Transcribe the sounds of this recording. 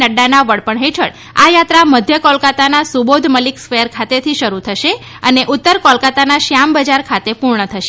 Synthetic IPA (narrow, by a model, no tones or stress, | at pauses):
nəɖːanaʋəɽpəɳɦeʈʰəɽ | ajat̪ɾaməd̪ʱjəkɔlkat̪anasubod̪ʱməliksfeəɾkʰat̪et̪ʰiʃəɾut̪ʰəʃe | əneʔut̪ːəɾkɔlkat̪anaʃjambəd͡ʒaɾkʰat̪epuɾɳət̪ʰəʃe